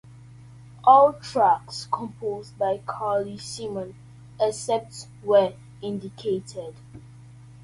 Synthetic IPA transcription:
ʔɔltʰɹakskʰɔ̃mpʰozbaɪkʰalisimə̃n | ɛsɛp̚ts | wə | ɪ̃ndikʰetʰɛd̥

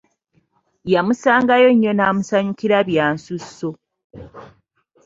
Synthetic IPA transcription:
jamusaːŋɡajo̞ɲːo̞naːmusaɲukiɾaβjaːnsusːo

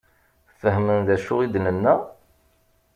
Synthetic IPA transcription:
fəɦmənðæʃʊʁid̪nənːæ

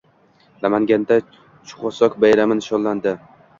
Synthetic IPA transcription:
lamaŋɡʲand̪a | t͡ʃʰʊ̥χɒsɒkbajɾamɪnʃɒllːand̪ɪ

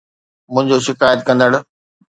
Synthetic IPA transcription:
mʊ̃ɦɪ̃ɲd͡ʑoʃɪkaːjət̪̚kɐ̃nd̪əɽʊ̆

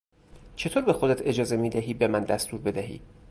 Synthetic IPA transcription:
t͡ʃʰe̞t̪ʰoːɾbe̞xod̪et̪ʰe̞d͡ʒɒːze̞miːd̪æɦiːbemænd̪æst̪ʰuːɾbe̞d̪æɦḭː

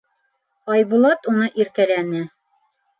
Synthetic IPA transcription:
ɑjbulˠɑt̪unɤʔiɾkælænɘ

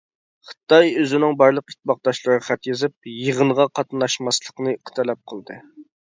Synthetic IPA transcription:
χə̥t̪ɑjøzɪnɪŋbɑɾlˠəqi̥t̪̚ʰːbɑq̚d̪ɑʃlˠɨɾɨʁɑχæt̪jezɨp̚jəʁənʁɑqʰɑt̪nɑʃmɑslˠəqnɨqʰə̥t̪ʰɛlɛp̚qʰəlˠd̪ɨ

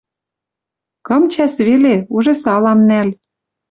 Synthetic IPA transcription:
kɤ̆mt͡ɕæsβeleuʒĕsɑlɑmnæl

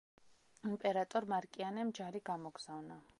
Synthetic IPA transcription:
impʼɛɾat̪ʼɔɾmaɾkʼianɛmd͡ʒaɾiɡamɔɡz̥avna

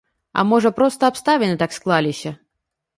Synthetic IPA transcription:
a̰mɔʐəpɾɔst̪əapst̪avʲɪnɨt̪aksklˠalʲɪɕʲɐ

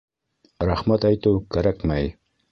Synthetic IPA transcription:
ɾaχmæt̪æjt̪ɘwkæɾækmæj

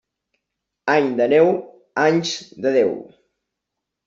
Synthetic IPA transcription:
aɲd̪ənɛw | aɲzd̪əðɛw

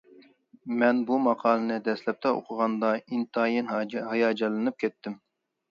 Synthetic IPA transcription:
mɛnbumɑqʰɑːlˠɨnɨd̪ɛslɛp̚t̪ʰɛo̰qʰʊʁɑnd̪ɑint̪ʰɑːjinɦɑjɑːd͡ʒɛlˠɨnɨp̚kʲʰɛt̪ːɪm

